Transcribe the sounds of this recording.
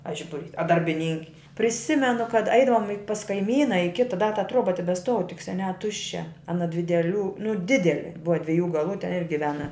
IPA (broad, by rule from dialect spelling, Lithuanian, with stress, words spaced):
ɐ ˈʒʲɪbʊˌrʲiːs ɐ dɐrʲbʲɪˈnʲɪŋʲkʲɪ pʲrʲɪˈsʲɪmʲɛnʊ kɐt ˈɐɪdɐʋoːm ɪ pɐs kɐɪˈmʲiːnɐ ɪ ˈkʲɪtɐ dɐ tɐ ˈtroːbɐ tʲɛbʲɛsˈtuɔw tʲɪk sʲɛˈnʲæː ˈtʊʃʲt͡ʃʲɛ ɐˈnɐ dʲʋʲɪ dʲɛˈlʲuː nʊ ˈdʲɪdʲɛlʲɪ ˈbʊʋɐ dʲʋʲɛˈjuː ɡɐlˠuː tʲɛn ɪr ɡʲɪˈʋʲæːnɐ